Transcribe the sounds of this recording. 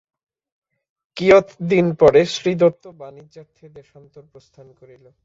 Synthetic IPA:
kijot̪ʰd̪inpɔɾeʃɾid̪ot̪ːobanid͡ʑaɾt̪ʰːed̪eʃant̪oɾpɾost̪ʰankoɾilo

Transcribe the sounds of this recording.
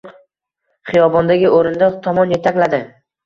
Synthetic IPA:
χɨjɒbɒnd̪aɡʲɪʔoɾɪnd̪at̪ʰɒmɒnje̞t̪ʰakʲlad̪ɪ

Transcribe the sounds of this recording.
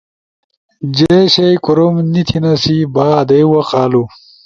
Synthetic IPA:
d͡ʑeɕɐjkuɾomnit̪ʰinɐsibaːd̪ɐjwɐqaːlu

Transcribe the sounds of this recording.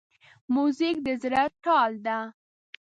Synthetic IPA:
muzɪk̚d̪əzɾaʈɑld̪a

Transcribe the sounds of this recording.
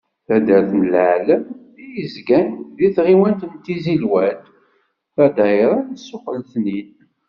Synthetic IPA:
θæd̪æɾθnəlʕləmðijəzɡænðiθʁiwænt̪ənt̪izilwæt̪ | θæd̪æjɾˤænsːʊqəlθnin

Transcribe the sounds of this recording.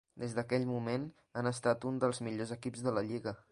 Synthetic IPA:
d̪ezd̪əkɛʎmumen | anəst̪at̪und̪əlˠzmiʎozəkipzðələʎiɣə

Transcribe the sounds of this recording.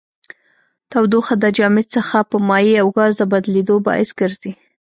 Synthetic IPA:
t̪awd̪oxad̪əd͡ʒɑmɪsəxapəmɑjiawɡɑzd̪əbad̪led̪obɑ̰ɪsɡ̥əɾzi

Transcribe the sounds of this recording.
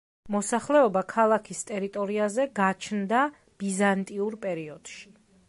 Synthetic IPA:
mɔsaχlɛɔbakʰalˠakʰist̪ʼɛɾit̪ʼɔɾiazɛɡat͡ʃʰnd̪a | b̥izant̪ʼiuɾpʼɛɾiɔd̪̥ʃi̥

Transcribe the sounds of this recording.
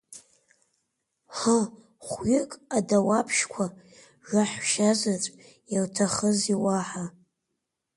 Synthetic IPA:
ħa | χʷɥɪkʼadawapʰʃkʷʰa | ʐaħʷʃazat͡sʷʼ | jaltʰaχəziwaħa

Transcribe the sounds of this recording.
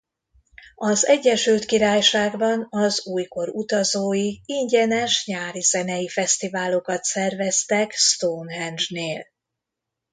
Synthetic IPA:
ɒzɛɟːɛʃylt̪kiɾaːjʃaːɡbɒnɒzuːjko̞ɾut̪ɒzoːjiiɲɟɛnɛʃɲaːɾizɛnɛjifɛst̪ivaːlo̞kɒt̪sɛrvɛst̪ɛkst̪oːnɦɛnd͡ʒneːl

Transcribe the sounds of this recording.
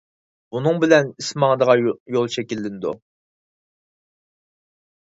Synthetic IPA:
bunɨŋbɪlɛnismɑŋd̪əʁɑjolˠt͡ʃʰɛkʲilːɪnɪd̪ṵ

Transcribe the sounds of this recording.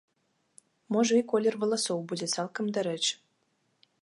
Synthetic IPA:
moʒɤikolʲːervŏlˠɤsowbudʲesɑlˠkɤ̆md̪ɘ̆ɾɘ̆t͡ɕ

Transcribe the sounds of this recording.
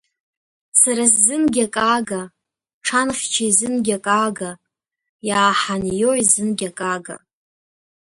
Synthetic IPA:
saɾasːɨnɡʲakʼaːɡa | ʈ͡ʂʰanχʲt͡ʃʰaizɨnɡʲakʼaɡa | jaːħanjoizɨnɡʲakʼaːɡa̰

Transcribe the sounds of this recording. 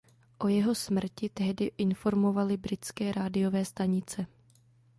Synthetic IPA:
ʔo̞jɛɦosmr̩cɪt̪ɛɦdɪʔɪnfo̞ɾmo̞valɪbɾɪt͡skɛːɾʔaːdɪjo̞vɛːst̪aɲɪt͡sɛ

